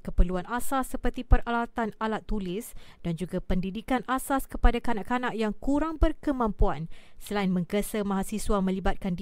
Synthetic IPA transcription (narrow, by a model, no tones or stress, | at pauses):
kəpərluanasasːəpərt̪ipəralat̪analat̪ːulɪsd̥and͡ʒuɡapəndidikanʔasaskəpadakanaʔkanaʔjaŋkuɾaŋbərkəmãmpuansəlainmə̃ŋkəsəmãɦasiswamə̃libat̪̚kand